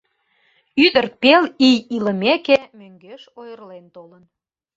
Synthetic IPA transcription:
yðərpelijilə̆mekemøŋɡeʃojərlent̪olən

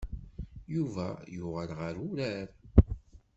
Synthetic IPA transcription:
juvæjʊʁəlʁəɾuɾæɾ

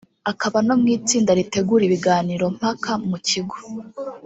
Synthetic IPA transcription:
akaβano̞mŋiːt͡siːndaɾite̞ɡuːɾiβiɡaːniɾo̞m̥hakʰamuciɡo

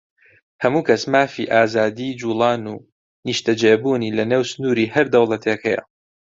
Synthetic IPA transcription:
hɐmuːkʰɐsmaːfḭʔaːzaːd̪iːd͡ʒuːlˠɑːnuː | niʃt̪ʰɐd͡ʒeːbuːniːlɐneːwsɨnuːɾiːhɐɾd̪ɐwlˠɐt̪ʰeːkʰɛjɐ̰

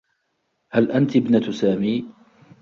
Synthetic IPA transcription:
halʔant̪bnat̪saːmiː

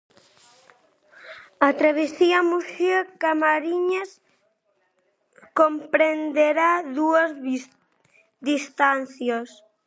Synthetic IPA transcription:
at̪ɾaβesiamusakamaɾiɲas | kompɾend̪eɾaðuɐz | d̪ist̪anθjɐs

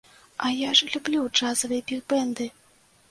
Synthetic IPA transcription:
ɐjaʐlʲublʲud͡ʐazɐvɨjɛbʲiɣbɛnd̪ɨ

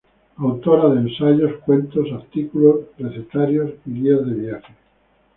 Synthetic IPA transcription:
awt̪oɾaðẽːnsaʝoskwe̞nt̪o̞saɾt̪ikulosrreθet̪aɾjosiɣiazðeβjaχe

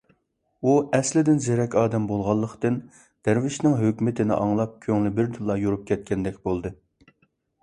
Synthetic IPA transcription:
uɛslɪd̪ɪnzeɾɛkʲɑːd̪ɛmbolˠʁɑlˠːəqt̪ɨn | d̪̥æɾvɪʃnɪŋɦøkʲmɪt̪ʰɪnɪ̰ʔɑŋlˠɑp̚kʲʰøŋlɪbɪɾd̪ɨlˠːɑjuɾup̚kʲʰɛt̪̚kʲɛnd̪ɛkʲbolˠd̪ɨ

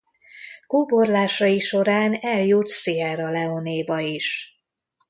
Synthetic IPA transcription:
koːborlaːʃɒjiʃo̞ɾaːnɛljut̪siɛɾɒlɛoneːbɒiʃ

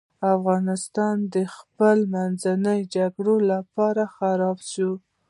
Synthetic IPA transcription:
afɣɑnɪst̪ɑnd̪əxpəlmanzanəjd͡ʒaɡɽolapɑɾaxaɾɑbʃu

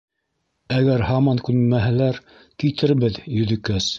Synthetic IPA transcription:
æɡæɾhɑmɑŋkʉnmæɦælæɾ | kit̪ʰɘɾβɘðjɵ̆ðɘ̆kæs

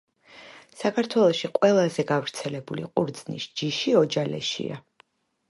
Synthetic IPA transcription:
sakʰaɾt̪ʰwɛlˠɔʃiqʼwɛlˠazɛɡavɾt̪sʰɛlɛbulḭqʼuɾd̪znḭsd͡ʒiʃiɔd͡ʒalɛ̰ʃḭa̰

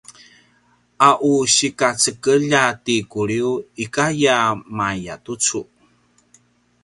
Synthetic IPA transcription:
ʔaʔuɕikat͡səkəʎatikuɾiuikajamaja̰tut͡su

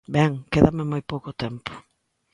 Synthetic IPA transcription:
bɛŋkeðamɪmojpowkʊt̪ɛmpʊ̥

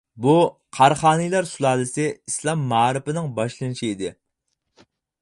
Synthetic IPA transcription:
buqʰɑɾχɑːnijlˠɑɾsulˠɑːlˠɨsɪislˠɑmːɑːɾɪpɪnɪŋbɑʃlˠɨnɨʃiid̪ɪ

